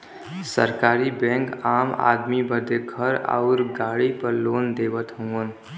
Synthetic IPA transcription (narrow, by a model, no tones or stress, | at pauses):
sə̰ɾkaːɾibɛ̃ːŋkaːma̰ːd̪mibəd̪eɡʱəɾa̰ːɾɡaːɽipəɾloːnd̪eːʋət̪ɦõən